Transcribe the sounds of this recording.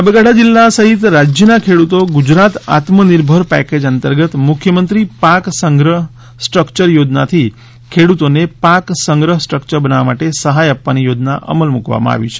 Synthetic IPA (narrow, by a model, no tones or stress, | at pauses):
abəɡaɽad͡ʒilːasəɦit̪ɾad͡ʒjənakʰeɽut̪oɡud͡ʒɾat̪a̰t̪məniɾbʱəɾpɛ̰ked͡ʒənt̪əɾɡət̪mukʰjəmənt̪ɾipaksəŋɡɾəɦ | sʈɾəkt͡ʃəɾjod͡ʒna̰t̪ʰi | kʰeɽut̪onepaksəŋɡɾəɦəsʈɾəkt͡ʃəɾbənaʋamaʈesəɦajapːanijod͡ʒna̰ʔə̰məlmukʋa̰mã̰a̰ʋḭt͡ʃʰe̥